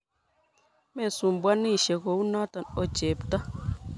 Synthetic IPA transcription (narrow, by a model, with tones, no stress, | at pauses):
mɛ˨su˨m˨bwa˦nːi˦˨ʃe˨ɡo˨˦u˦na˦ta˨no˨t͡ʃe˨pta˦